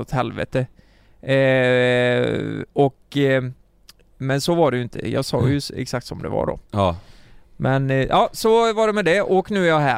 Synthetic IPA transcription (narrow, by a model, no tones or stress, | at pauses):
ɔt̪hɛlvḛːt̪ə | ɔk | mɛnsɔvɑɖɛjɵɪnt̪ʰə̰jɑ̰ːɡsɑːjɵɛ̰ksak̚t̪sɔmd̪ɛ̰va̰ɖɔ̰ | mʔɛnjʔɑːsɔvaɖɛmɛd̪ɛʔɔknʉ̟ːæɾjɑɦæː